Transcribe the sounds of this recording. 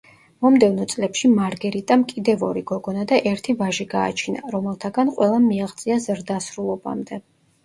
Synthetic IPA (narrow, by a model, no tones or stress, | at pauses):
mɔmd̪ɛvnɔt̪sʼlɛpʃimaɾɡɛɾit̪ʼamkʼid̪ɛvɔɾiɡɔɡɔnad̪aʔɛɾt̪ʰivaʒiɡa̰ːt͡ʃʰina̰ɾɔmɛlˠt̪ʰaɡanqʼwɛlˠamiaʁt̪sʼiazɾd̪asɾulˠɔba̰md̪ɛ